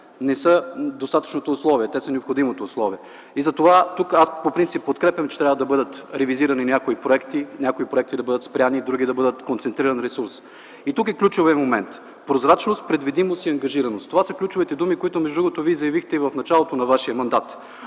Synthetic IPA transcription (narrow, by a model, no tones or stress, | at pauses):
nɛsəd̪ost̪at̪ə̥t͡ʃnot̪oːslˠɔviɛt̪ɛsənɛopxod̪imot̪oːslˠɔviɛ | izɐt̪ovat̪ukaspopɾint̪sipːot̪kɾɛpjɐmt͡ʃɛ̥t̪ɾʲavəd̪ɐbɤd̪ət̪ɾɛviziɾɐninʲjakoipɾoɛkt̪inʲakʊipɾoɛkt̪id̪ɐbɤd̪ət̪spɾʲanid̪ɾuɡʲid̪ɐbɤd̪ət̪kont̪sɛnt̪ɾiɾɐnɾɛsuɾs | it̪uk̬ɛklʲut͡ʃʊviəmomɛnt̪ | pɾozɾat͡ʃnost̪̚pɾɛd̪vid̪imost̪iɐŋɡɐʒiɾɐnost̪ovasəklʲut͡ʃʊvit̪ɛd̪umikoit̪ʊmɛʒd̪ɾuɡʊt̪ovizɐjɐvixt̪ɛivɐfnɐt͡ʃalˠot̪onɐvaʃiəmɐnd̪at̪